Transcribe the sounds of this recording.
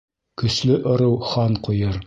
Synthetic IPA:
kɵ̆slɵʔŏɾɤwχɑnqujɤɾ

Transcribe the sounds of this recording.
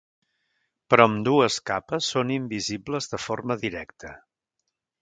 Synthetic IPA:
pɾɔəmd̪uəskapəsːonimbizibləzðəfoɾməðiɾɛk̚t̪ʰə

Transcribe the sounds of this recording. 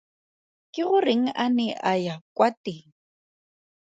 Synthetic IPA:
kʼɪɣʊreŋ̩ʔanɛʔajakʼwatɪŋ̩

